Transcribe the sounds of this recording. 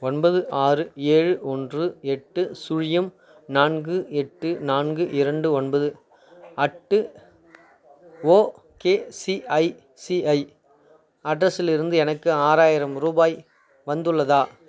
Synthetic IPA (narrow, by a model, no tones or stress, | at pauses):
ɔnbɐðɯʔaːrɯeːɻɯʔɔndrɯɛʈːɯsʊɻɪjɐm | naːnɡɯɛʈːɯnaːnɡɯʔɪɾɐɳɖɯɔnbɐðɯ | ɐʈːɯ | oː | keːsiɐɪ | siɐɪ | ɐɖɾɐsɪlɪɾɯnd̪ɯɛnɐkːɯaːɾaːjɪɾɐmɾuːbaːj | ʋɐnd̪ɯɭːɐðaː